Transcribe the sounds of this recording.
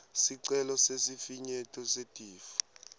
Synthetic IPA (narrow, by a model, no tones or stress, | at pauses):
siǀɛlɔsesifiɲɛtʰʼɔsetʼiːfu̥